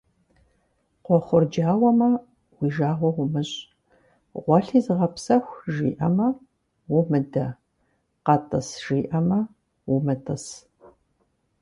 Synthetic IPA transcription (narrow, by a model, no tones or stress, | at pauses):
qʷɔχʷʊrd͡ʒaːwɐmɐ | wiːʒaːʁʷɔwʊmɨɕʼ | ʁʷɔɬiːzɨʁɐpsɐxʷʒḭːʔɐmɐ | wʊmɨdɐ | qɑtʼɐsʒ̥iːʔɐmɐ | wʊmɨtʼɐs